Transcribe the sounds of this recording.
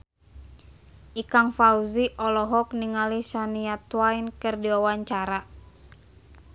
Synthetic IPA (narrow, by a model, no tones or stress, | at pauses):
ʔikaŋfauziʔɔlɔɦɔk̚niŋalisaniat̪wajnkɨrdiwawaɲt͡ʃaɾa